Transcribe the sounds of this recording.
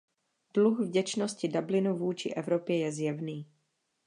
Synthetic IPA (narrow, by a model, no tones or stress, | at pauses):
d̥luxvɟɛt͡ʃnoscɪdablɪnuvuːt͡ʃɪ̰ʔɛvɾopjɛjɛzjɛvniː